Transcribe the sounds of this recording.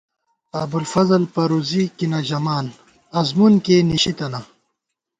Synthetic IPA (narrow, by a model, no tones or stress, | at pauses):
ɐbulfɐzɐlpɐɾuːzikinaʑɐmaːn | ɐzmunkeːniɕit̪ɐna